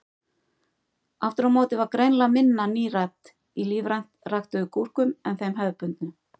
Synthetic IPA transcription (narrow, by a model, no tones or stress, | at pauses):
aft̪ʏɾawmɔːt̪ɪvaɾkɾejnlamɪnːaniːrat̪ | iliːvɾajn̥t̪raxt̪ʏʏkʰur̥kʏmɛnθejmɦœðpʏnt̪nʏ